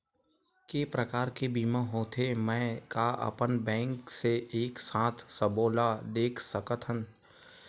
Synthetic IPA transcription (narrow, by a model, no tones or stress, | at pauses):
keːpɾəkaːɾkebiːmãɦõːt̪ʰemɛ̃ːkaɐ̰pənbɛ̃ːŋkseeːksãːt̪ʰsəboːlad̪eːkʰsəkət̪ʰɦən